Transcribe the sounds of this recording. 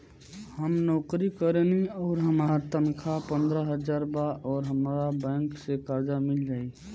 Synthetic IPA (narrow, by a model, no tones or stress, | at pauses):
həmnɔkɾikəɾeniɔːɾɦəmat̪ənkʰapənd̪ɾəɦəd͡ʒaɾbaʔɔːɾɦəmɾabɛ̃ŋksekaɾd͡ʒamild͡ʒai